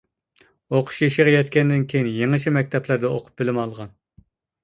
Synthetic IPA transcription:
oqʰʊ̥ʃiʃiʁɑjɛt̪kʲɛnd̪ɪnkʲʰejinjeŋɨʃʰimɛk̚ʲt̪ʰɛplæɾd̪ɛoqʰʊ̥p̚bɪlɪmɑlˠʁɑn

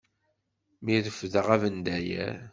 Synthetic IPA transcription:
miðəfðəʁævənd̪æjæ̰

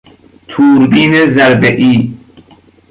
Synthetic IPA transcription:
t̪ʰuːɾbiːnezæɾbeʔiː

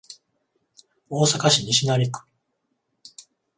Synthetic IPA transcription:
oːsakaɕiɲiɕinaɾʲikɯ̥

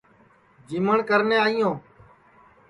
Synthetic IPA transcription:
d͡ʒiːməɳkəɾneːaːijõː

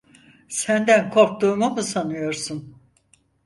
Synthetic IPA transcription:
sænd̪ænkʰo̞ɾk̚t̪uːmumɯsanɯjo̞ɾsun

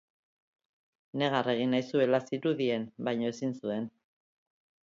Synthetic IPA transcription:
ne̞ɣ̞are̞ɣ̞inajsue̞lasiɾuðie̞nbajɲo̞e̞sinsue̞n

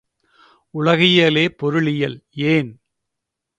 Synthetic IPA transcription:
ʊɭɐɣɪjɐleːpɔɾɯɭɪjɐleːn

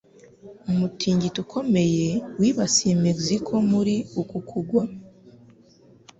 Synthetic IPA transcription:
umutʰiːɲɟitukʰo̞me̞je̞wiːβasimekzikʰo̞muɾiukukʰuɡwa

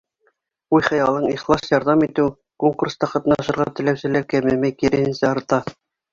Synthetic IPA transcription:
ujχɤ̆jɑlˠɤɴiχlˠɑsjɑɾðɑmit̪ɘw | koŋkurst̪ɑqɑt̪nɑʃɤ̆ɾʁɑt̪ɘ̆læwsɘ̆lækæmɘmæjkiɾɘ̆hɘ̆nsæɑɾt̪ɑ

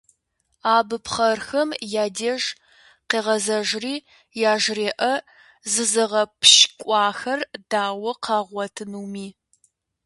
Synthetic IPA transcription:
aːbɨpχɐrxɐmjaːdeːʒ | qeːʁɐzɐʒriː | jaːʒreːʔɐ | zɨzɨʁɐpʰʃkʷʼɑːxɐrdaːwɐqʰɑːʁʷɔtʰɨnuːmiː

